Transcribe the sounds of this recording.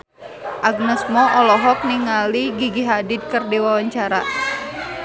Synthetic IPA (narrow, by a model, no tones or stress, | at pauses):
ʔaɡ̚nəsmɔʔɔlɔɦɔk̚niŋaliɡiɡiɦadid̪̚kərdiwawaɲt͡ʃaɾa